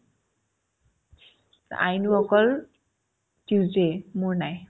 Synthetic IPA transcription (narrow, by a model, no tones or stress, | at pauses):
a̰jnuɔkɔl | tuzemuɹnaj